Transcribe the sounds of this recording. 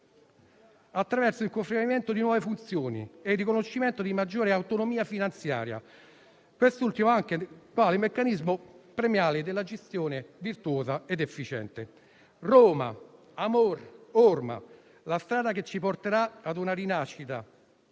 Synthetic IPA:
at̪ːɾavɛrsoilkofɾeɾiment̪od̪inwɔːvefunt̪sjoːnḭerːikonoʃːiment̪od̪imad͡ʒːoːɾeawt̪onomiːafinant̪sja̰ːɾja̰ | kwest̪ult̪imoaŋk̟ekwaːlemekːanizmopɾemjaːlɪd̪elːad͡ʒest̪joːnevirt̪uoːzaed̪efːit͡ʃɛ̰nt̪e | rɔːma̰ | amororma̰ | last̪ɾaːd̪aket͡ʃːiport̪eɾaad̪unaɾinaʃːit̪a

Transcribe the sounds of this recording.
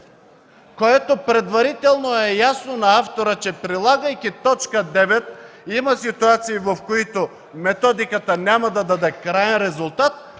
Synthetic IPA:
koɛt̪opɾɛd̪vaɾit̪ɛlˠnoɛjasnonaaft̪oɾət͡ʃɛpɾilˠaɡɐjkʲit̪ɔt͡ʃkəd̪ɛvɛt̪̚ | imasit̪uat̪siːvofkoit̪o | mɛt̪ɔd̪ikat̪anʲamad̪ad̪ad̪ɛkɾajɛnɾɛzulˠt̪at̪̚

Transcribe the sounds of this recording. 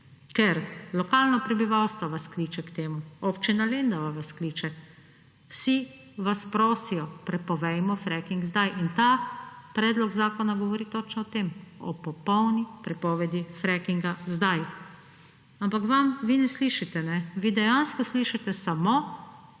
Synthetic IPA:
kɛɾlɔkaːlnɔpɾɛbiʋawst̪ʋɔʋaskliːt͡ʃɛkt̪eːmuɔpt͡ʃinaleːnd̪aʋaʋaskliːt͡ʃɛ | wsi | ʋaspɾoːsijɔpɾɛpɔʋɛjmɔfɾɛkiŋɡzd̪ajʔint̪apɾɛːd̪lɔɡzaːkɔnaɡɔʋɔɾiːt̪ɔt͡ʃnɔɔt̪emɔ̰pɔpɔwnipɾɛpɔːʋɛd̪ifɾɛkiŋɡazd̪aj | ampakʋamʋinɛsliːʃit̪ɛnɛʋid̪ɛjanskɔsliːʃit̪ɛsamo

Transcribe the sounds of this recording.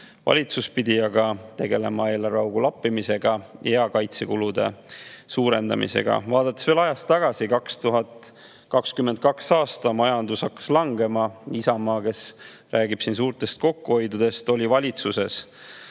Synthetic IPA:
vɑ̰lʲit̪suspid̪iɑɡɑt̪e̞ɡ̥e̞le̞mɑe̞ːlɑrɑwɡulɑpːimise̞ɡ̥ɑjeɑkɑjt̪sekulud̪e̞̰suːɾe̞nd̪ɑ̰mḭse̞̰ɡ̥ɑ̰vɑːd̪̥ɑt̪ːˑesveːlɑjɑst̪ːɑɡ̥ɑsikɑkst̪uɦɑt̪ˑ | kɑkskymːend̪̚kɑksɑːst̪ɑmɑjɑnd̪usɑkːɑ̥slɑŋɡe̞mɑisɑmɑːke̞s | ræːɡib̥sins̬uːrt̪e̞st̪̚ko̞kːuho̞jd̪ud̪̥e̞st̪o̞lʲivɑlʲit̪suse̞s

